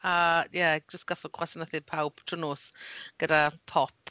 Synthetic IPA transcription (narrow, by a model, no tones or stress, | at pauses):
ajɛd͡ʒəstɡ̥afəkʰwasənəθɪpʰawb̥tʰrənoːsɡ̥ədapʰɔp̚